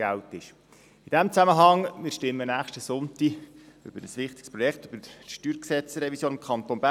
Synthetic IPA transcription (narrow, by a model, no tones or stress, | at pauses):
æltɪʃ | id̥ɛmt͡sæməɦɑŋmɪːɾʃtɪmːənæːχʃtəsʊntiʏ̰b̥əɾəsʋɪχt̪ɪ̥kspɾɔjɛkχtøb̥əʃtyːɾksɛt͡sɾɛvisjoːnɪmkʰɑnt̪onbæ